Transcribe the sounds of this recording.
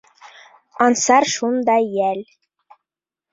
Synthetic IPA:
ɑnsɑɾʃund̪ɑjælʲ

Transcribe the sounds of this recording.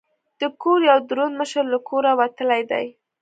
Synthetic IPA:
d̪̥əkoɾjawd̪ɾonməʃəɾlakʰoɾawat̪əlajd̪a̰j

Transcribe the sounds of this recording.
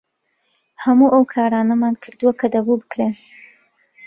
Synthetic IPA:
hɐmuːʔɐwkʰaːɾaːnɐmaːnkʰɨɾd̪uwakʰɐd̪ɐbubɨkɾe

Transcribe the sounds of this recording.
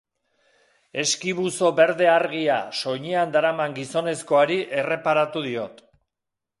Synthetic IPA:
e̞skiβuso̞βe̞ɾðe̞aɾɣia̰so̞ɲeand̪aɾamaŋɡiso̞ne̞sko̞aɾiʔe̞re̞paɾat̪uðio̞t̪

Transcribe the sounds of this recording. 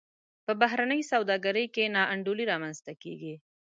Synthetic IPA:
pəbaɦɾanəjsawd̪ɑɡaɾəjkenɑʔaɳɖoliɾɑmanzt̪akḛɡi

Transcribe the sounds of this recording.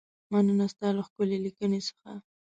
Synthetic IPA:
manənast̪ɑlaxkʊlelikənesə̥xa̰

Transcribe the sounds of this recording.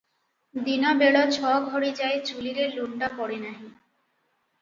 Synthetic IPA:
d̪inabeɽat͡ɕʰɔɡʱɔɾed͡ʑaet͡ɕuliɾeɾluɳɖapɔɽenaɦi

